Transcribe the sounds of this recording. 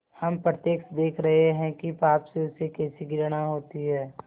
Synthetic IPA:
hɐmpɾət̪jeːksd̪eːkʰɾɐɦeɦɛ̃kipaːpseʊsekɛːsiɡɪɾəɽ̃aɦoːt̪iɦɛː

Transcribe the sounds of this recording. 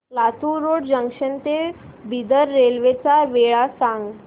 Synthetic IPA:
lat̪uɾoɽd͡ʑəŋʂənt̪e | bid̪əɾːelʋet͡saʋeɭasãŋɡ

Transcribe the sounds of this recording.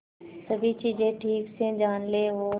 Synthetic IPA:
səbʱit͡ʃiːd͡ʒẽːʈʰiːksẽd͡ʒaːnleːɦoː

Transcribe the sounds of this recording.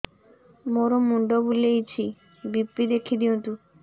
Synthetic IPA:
moɾomuɳɖobulejt͡ɕʰi | bipːid̪ekʰid̪iũnt̪u

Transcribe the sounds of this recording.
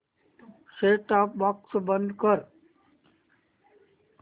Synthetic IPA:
seːʈaːp̚baːksbə̃nd̪kəɾ

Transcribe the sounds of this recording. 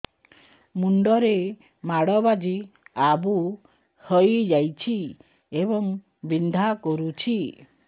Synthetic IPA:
muɳɖɔɾe | maɽɔbad͡ʒiabu | həjd͡ʒajt͡ʃʰi | ebɔŋ | bind̪ʱakɔɾut͡ʃʰi

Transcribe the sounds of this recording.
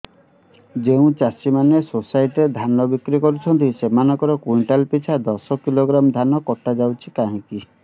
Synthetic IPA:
d͡ʒeũt͡ʃasimanesosajʈɾed̪ʱanɔbikɾikɔɾut͡ʃʰɔnt̪isemanɔkɔɾɔkujɳʈalpit͡ʃʰad̪ɔsɔkiloɡɾamd̪ʱanɔkɔʈad͡ʒawt͡ʃʰikaɦĩki

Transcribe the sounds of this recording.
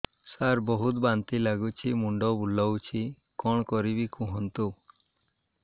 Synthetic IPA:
saɾbɔɦut̪bant̪ilaɡut͡ʃʰimuɳɖɔbulawt͡ʃʰi | kɔɳ̃kɔɾibikuɦɔnt̪u

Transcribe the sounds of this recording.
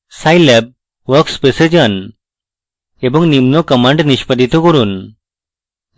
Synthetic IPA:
sajlɛb̚ | ʋəɾkspesed͡ʑən | ebəŋnimnɔkəmãɳɖniɕpəd̪ʱit̪ɔkɔɾuːn

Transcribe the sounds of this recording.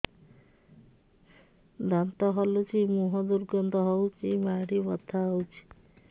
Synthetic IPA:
d̪ant̪ɔɦɔlut͡ʃʰimuɦɔd̪uɾɡɔnd̪ɔɦɔwt͡ʃimaɽibɔt̪ʰːaɔwt͡ʃʰi̥

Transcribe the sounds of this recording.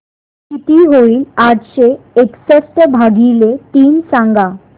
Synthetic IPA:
sit̪iɦoilaʈʃeeksesʈebʱaɡilet̪insaŋɡa

